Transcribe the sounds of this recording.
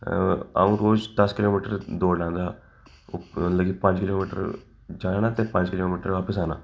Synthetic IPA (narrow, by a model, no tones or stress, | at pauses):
ɐ̰ʋunɾoːd͡ʒd̪ɐskɪloːmiːʈəɾd̪oːɽlãːnd̪aː | nləɡiːpɐ̃t͡ʃkɪloːmiːʈə̰ɾ | d͡ʒaːnaːt̪epɐ̃ɲt͡ʃkɪloːmiːʈəɾʋaːpəsaːna̰ː